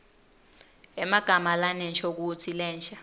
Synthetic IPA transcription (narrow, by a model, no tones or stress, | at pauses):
ɛmaɡ̥ʱamalanɛnt͡ʃʰok̬ut͡sʰilɛːnt͡ʃʰa